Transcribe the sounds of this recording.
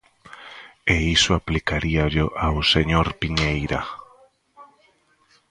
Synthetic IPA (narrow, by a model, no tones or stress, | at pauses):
eisʊaplikaɾiaʎʊʔawseɲoɾpiɲejɾa̰